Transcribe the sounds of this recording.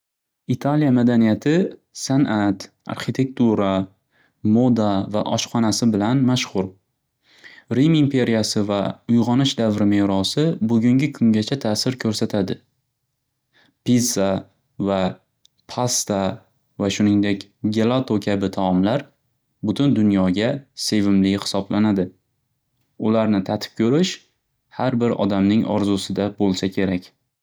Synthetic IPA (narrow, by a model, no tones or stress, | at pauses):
it̪ʰaljamad̪anijat̪ʰɪ | sanʔat̪ | a̰ɾχit̪ʰe̞k̚t̪uɾa | mod̪ava̰ʔɒʃqɒnasɪbɪlanmaʃχʊɾ | ɾimimpʰe̞ɾijasɪvaʊjʁɒnɪʃd̪avɾɪme̞ɾɒsɪbʊɡʲʊŋɡʲɪkʰʊŋɡʲat͡ʃʰat̪ʰasɪɾkʲʰɵɾsat̪ʰad̪ɪ | pisa | va | pʰast̪a | vaʃʊnɪŋd̪e̞kʲɡelˠat̪ʰokʲʰabɪt̪ʰaɒmlaɾ | bʊt̪ʰʊnd̪ʊnjɒɡʲase̞vɪmlɪhɪ̥sɒblanad̪ɪ | ʊlaɾnɪt̪ʰat̪ʰɪ̥p̚kʲʰɵɾɪʃ | haɾbɪɾɒ̰d̪amnɪŋɒ̰ɾzʊsɪd̪abolˠsakʲʰe̞ɾakʲ